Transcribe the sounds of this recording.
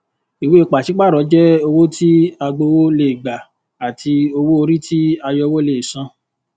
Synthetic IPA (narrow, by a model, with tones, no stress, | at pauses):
i˨we˦o˧k͡pa˨ʃi˨˦k͡pa˦˨ɾɔ˨˦d͡ʒɛ˦o˧wo˦ti˦a˧ɡ͡bo˧wo˦le˦˨ɡ͡ba˨ | a˨tʰi˧o˧wo˦o˧ɾi˦ti˦a˧jɔ˧wo˦le˦˨sã˧˦